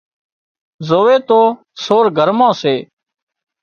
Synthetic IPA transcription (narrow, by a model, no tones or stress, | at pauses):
zoːeːt̪oː | soːɾɡʱəɾmãːseː